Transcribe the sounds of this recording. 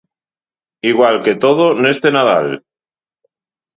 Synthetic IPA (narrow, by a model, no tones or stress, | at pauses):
iɣwalke̞t̪oðonoest̪enað̞al